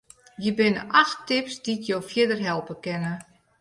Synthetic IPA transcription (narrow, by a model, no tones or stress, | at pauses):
jəbɪnə̰ʔaxtɪpsd̥itjowfjɪdərɦɛlˠpəkɛnə